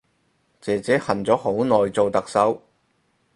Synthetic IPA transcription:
t͡sɛː˨t͡sɛː˨˥hɐ˨nt͡sɔː˨˥ho˨˥wnɔː˨jt͡so˨wt̪ɐ˨k̚sɐ˨˥w

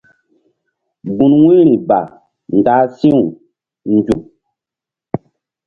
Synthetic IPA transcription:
ɡũ˨nwĩ˦ɾi˨ba̰˨ | n˨da˨˦sĩ˦u˨ | n˦d͡ʒu˨

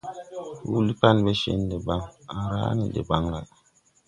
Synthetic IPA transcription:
hu˦li˦pa˦˨nbe˦ʃḛ˦n˦de˨ba˦ŋa˨ɾa̰ː˦nḭ˨dḛ˨ba˦ŋla̰˨ʔ

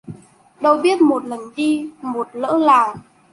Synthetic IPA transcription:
ɗə˧wɓi˦˥ət̚mo˨˩t̚lə˨˩nɗi˧mo˨˩t̚lə̰ː˧˥laː˨˩w

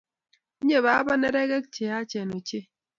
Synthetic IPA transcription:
ɲe˦˨βa˨˦ba˦nɛ˦ɾɛ˦ɡɛ˦kt͡ʃe˨a˦t͡ʃɛ˨no˨t͡ʃe˦

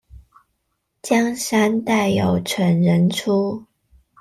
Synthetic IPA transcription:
t͡ɕjɑ˥ŋʂa˥nt̪a˥˩ɪjo˨˩ʊʈ͡ʂʰwə˧˥nɻə˧˥nʈ͡ʂʰu˥

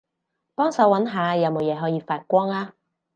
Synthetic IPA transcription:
pɔː˥ŋsɐ˨˥wɐ˨˥nɦaː˨˧jɐ˨˧wmo˨wjɛː˨˥ɦɔː˨˥jiː˨˧faː˧t̚kʷɔː˥ŋaː˥

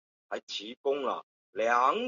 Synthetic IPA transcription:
hɐ˨jt͡ɕʰiː˨˦kʊ˥ŋla̰˨ | lja˨˦ŋ

